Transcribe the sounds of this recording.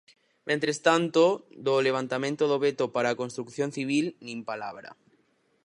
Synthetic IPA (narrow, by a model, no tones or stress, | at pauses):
mẽnt̪ɾest̪ant̪od̪oleβ̞ant̪amẽnt̪oð̞oβet̪opaɾakonst̪ɾukθjon̟θiβ̞ilnĩmpalaβ̞ɾa̰